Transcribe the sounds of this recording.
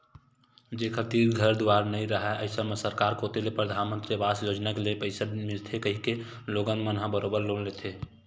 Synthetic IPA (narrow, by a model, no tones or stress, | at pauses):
d͡ʒekʰət̪iːɾɡʱəɾd̪uaɾnəĩɾəɦɛʔəɪsəmesəɾkaɾkot̪elepɾəd̪ʱanmə̃nt̪ɾibasjoːd͡ʒnakelepəɪsəd̪mɪlt̪ʰekəɦike | loːɡənmənɦabəɾobəɾloːnlet̪ʰe